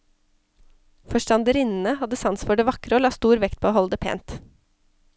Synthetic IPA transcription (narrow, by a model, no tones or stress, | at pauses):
fɔʃʈɑnd̪əɾɪnn̩əhɑd̪əsɑnsfɔɖeːʋɑkɾəoːlɑːst̪uːɾʋɛkt̪̚pʰoːhɔld̪əpʰḛːnt̪